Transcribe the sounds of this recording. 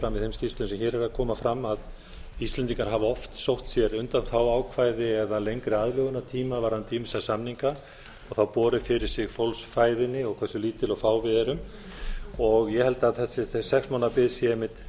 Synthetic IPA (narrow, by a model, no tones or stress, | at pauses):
ɾamːiðθhejmscist̪ʏnsɛmçɛːɾɛɾakʰɔːmafɾamːað | ist̪lɛnt̪iŋkaɾɦavaɔft̪sowht̪sjɛɾʏnt̪anθawaːwkʰvajðɪɛðalejŋkɾɪaðlœːɣʏnat̪ʰiːmavaɾhant̪ʰiːmɪsasamniŋka | ɔɣθawpɔːɾɪfɪɾɪɾ̥sɪɣfowlsfaːjðɪnːɪɔɣkʰvɛrsʏliːt̪ɪlɔɣfaːwvɪðɛɾʏm | ɔɣjɛhɛlt̪aðθɛsɪθsɛksmanapɪðsjɛɛmɪt̪